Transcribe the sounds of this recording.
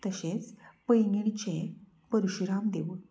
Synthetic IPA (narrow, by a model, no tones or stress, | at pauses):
t̪əɕet͡spəjŋɡiɽt͡ɕe | pəɾuɕɾamd̪eʋu